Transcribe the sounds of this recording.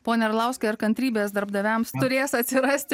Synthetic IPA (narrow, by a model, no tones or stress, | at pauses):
poːnʲɛɾlˠɑˑʊsʲkʲɛɪɾkɐnʲt̪ʲɾʲiːbʲeːsd̪ɐɾbd̪ɐʋʲæmst̪ʊɾʲeːsɐt̪ʲsʲɪɾɐsʲt̪ʲ